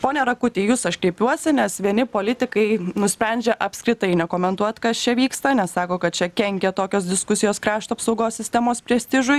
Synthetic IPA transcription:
poːnʲɛɾɐkʊt̪ʲiːjuːsɐʃkɾʲɛɪpʲuɔsʲɪnʲɛsʋʲiɛnʲɪpoːlʲɪt̪ʲɪkɐɪnʊsʲpʲɾʲɛnʲd͡ʒʲɛʔɐpskɾʲɪt̪ɐɪnʲɛkoːmʲɛnt̪uɔt̪kɐst͡ʃʲɛʋʲiːkst̪ɐnʲɛssɑːkoːkɐt̪̚t͡ʃʲɛkʲɛŋʲkʲɛt̪oːkʲoːs̬d̪ʲɪskʊsʲɪjoːskɾɑːʃt̪oɐpsɐʊɡoːsʲsʲɪst̪ʲɛmoːspʲɾʲiɛsʲt̪ʲɪʒʊj

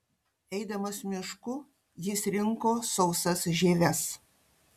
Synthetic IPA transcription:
ɛɪd̪ɐmɐsmʲɪʃkʊ | jɪsɾʲɪŋkoːsɐʊsɐsʒʲeːʋʲɛs

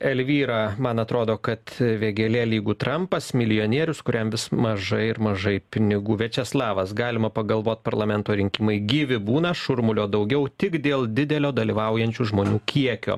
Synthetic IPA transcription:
ɛlʲʋʲiːɾɑːmɐnɐt̪ɾoːd̪oːkɐt̪ʋʲeːɡʲeːlʲeːlʲiːɡuːt̪ɾɐmpɐsmʲɪlʲɪjoːnʲiɛɾʲʊskʊɾʲɛmʋʲɪsmɐʒɐɪɪɾmɐʒɐɪpʲɪnʲɪɡuːʋʲɛt͡ʃʲɛslˠɑːʋɐsɡɑːlʲɪmɐpɐɡɐlˠʋoːt̪̚ʲpɐɾlˠɐmʲɛnt̪oːɾʲɪŋʲkʲɪmɐɪɡʲiːʋʲɪbuːnɐʃʊɾmʊlʲoːd̪ɐʊɡʲɛʊt̪ʲɪkd̪ʲeːlˠd̪ʲɪd̪ʲɛlʲoːd̪ɐlʲiːʋɐʊjɛnʲt͡ʃʲuːʒmoːnʲuːkʲiɛkʲo̰ː

